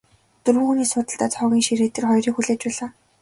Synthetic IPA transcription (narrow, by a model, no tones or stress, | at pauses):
t̪ɵrwɘ̆ŋxuniːsʊːt̪ə̆ɬt̪aːt̪ʰɔːɣʲiːŋʃiɾeːt̪ĕrχɔjriːkxuɮeːt͡ɕpæːɮaː